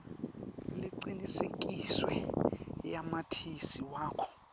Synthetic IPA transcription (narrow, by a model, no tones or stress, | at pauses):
liǀiniseŋkʼiswɛ | jamatʰisiwaːkʰɔ̥